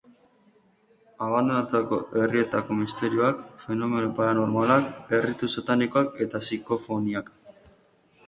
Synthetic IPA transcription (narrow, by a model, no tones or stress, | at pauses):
aβand̪o̞nat̪uako̞ʔe̞rie̞t̪ako̞mist̪e̞ɾio̞akfe̞no̞me̞nopaɾano̞ɾmalake̞rit̪usat̪aniko̞ake̞t̪asiko̞fo̞niak